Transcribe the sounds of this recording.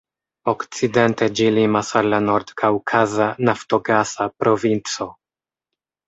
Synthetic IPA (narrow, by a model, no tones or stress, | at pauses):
okt͡sident̪ed͡ʒilimasaɾlanoɾd̪kʰawkʰazanafto̞ɡasapɾo̞vint͡so̞